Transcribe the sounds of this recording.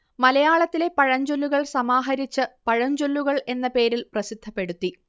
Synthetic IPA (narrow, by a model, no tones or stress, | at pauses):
mɐlɐjaːɭɐt̪ːile̞pɐɻɐɲd͡ʑolːuɣɐɭsɐmaːɦɐɾit͡ɕːɨpɐɻɐɲd͡ʑolːuɣɐɭʔe̞nːɐpe̞ːɾilprɐsid̪ʱːɐpːe̞ɽut̪ːi